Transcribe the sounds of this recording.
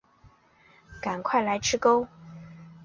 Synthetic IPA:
ka˨˩nkʰwa˥˩ɪla˧˥ɪʈ͡ʂʰɻ̩˥ko˥ʊ

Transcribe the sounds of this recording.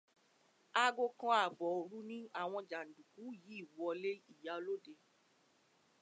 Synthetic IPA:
a˧ɡo˧kã˧a˨bɔ˨o˨ɾu˦nĩ˦a˦˨w̃ɔ̃˧d͡ʒa˨n̩˨du˨kũ˨˦jiː˨˦˨wɔ˧le˦i˦˨ja˨˦lo˦de˧

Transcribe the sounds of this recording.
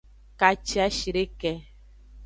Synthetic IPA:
ka˨t͡ʃi˦a˦ʃi˨ɾe˦kɛ˦

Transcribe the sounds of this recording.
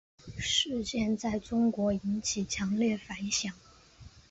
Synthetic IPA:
ʂɻ̩˥˧t͡ɕjɛ˥˧nt͡sa˥˩ɪʈ͡ʂʊ˥ŋkwɔ˧˥i˧˥nt͡ɕʰi˨˩t͡ɕʰjɑ˧˥ŋljɛ˥˩fa˧˥nɕjɑ˨˩˦ŋ

